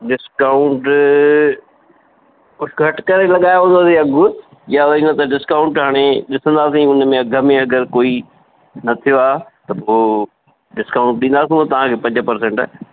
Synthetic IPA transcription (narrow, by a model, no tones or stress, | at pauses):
ɖɪskaːʊɳʈ | ʊʈʰɡʰʱɐʈkɐɾelɐɠaːjoɦõd̪oaːsĩɐɡʊ | jaʋɐinãt̪ɐɖɪskaʊ̃ɳʈɦaːɽ̃eɗɪsə̃nd̪aːsĩʊnmẽɐɡʱəmẽɐɡəɾkoːi | nɐt̪ʰijoaːt̪ɐpoː | ɖɪskaːʊ̃ɳʈ̚ɗĩːnd̪aːs̬ĩot̪ɐʋ̤ãkʰeːpɐ̃ɲd͡ʑəpɐɾsẽːɳʈː